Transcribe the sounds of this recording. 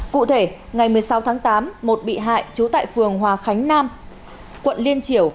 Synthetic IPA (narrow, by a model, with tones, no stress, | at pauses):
kṵ˧˨t̪ʰe˧˩ŋa˨˩jmɨ˨˩əjsa˨˦wt̪ʰaː˨˦ŋt̪aː˨˦mːo˨˩t̚ɓḭ˧˨ɦa̰ː˧˨jt͡ɕu˨˦t̪a̰ː˧˨jfɨ˨˩əŋɦwaː˨˩xa˨˦jŋ̟naː˧m | kwə̰˧˨nli˧ənt͡ɕi˧˩əw